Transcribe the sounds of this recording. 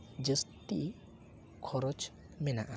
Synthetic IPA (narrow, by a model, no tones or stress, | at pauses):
d͡ʒəst̪ḭʔ | kʰɔɾɔt͡ʃ | mɛna̰ʔa